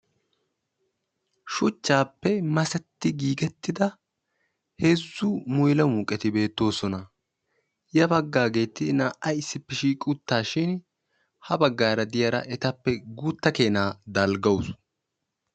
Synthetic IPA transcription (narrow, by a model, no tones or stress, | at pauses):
ʃʊt͡ʃːaːpːɛmɐsɛt̪ːɪɡiːɡɛt̪ːɪd̪ɐ | hezːʊmʊjlɐmuːkʼɛt̪ɪbe̞ːt̪ːo̞ːsɔnɐ | jɐbɐɡːaːɡe̞ːt̪ːɪnaːʔɐjɪsːɪpːɛʃiːkʼʊt̪ːaːʃɪn | hɐbɐɡːaːɾɐd̪ɪjɐɾɐ̰ʔɛt̪ɐpːɛɡuːt̪ːɐke̞ːnaːd̪ɐlɡɐws